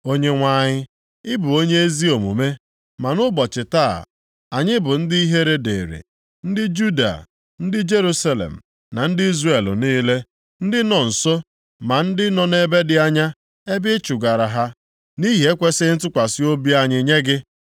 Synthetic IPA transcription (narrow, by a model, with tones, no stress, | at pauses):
o˦ɲe˦ŋʷa˦˨ɲɪ˦ | ɪ˦bʊ˨o˦ɲe˦e˦zi˦o˨mṵ˨me˦ | ma˨nʊ˦bɔ˨t͡ʃɪ˨taː˦˨ | a˨ɲɪ˦bʊ˨n̩˦dɪ˦i˦ɦe˦ɾe˦de˨ɾḭ˨ | n̩˦dɪ˦d͡ʒu˦da̰˨ | n̩˦dɪ˦d͡ʒe˦ɾu˦sa˦lḛ˨m̩˨ | na˨n̩˦dɪ˦i˦zre˨l̰niː˦le˦ | n̩˦dɪ˦nɔ˨n̩˨so˦ | ma˨n̩˦dɪ˦nɔ˦ne˦be˦dɪ˦a˦ɲa˦ | e˦bɪ˦t͡ʃʊ˨ɡa˨ɾa˨ɦa˦ | ni˦ɦe˨˦e˦kʷe˦sɪ˦n̩˦tʊ˦kʷa˨sɪ˦o˦bi˦a˦ɲɪ˦ɲe˦ɡɪ˦